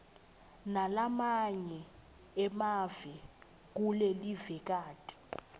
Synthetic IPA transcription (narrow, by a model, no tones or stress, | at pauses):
nalamaɲɛ | ɛmavɛ | k̬ʼulelivɛk̬ʼaːtʼi̥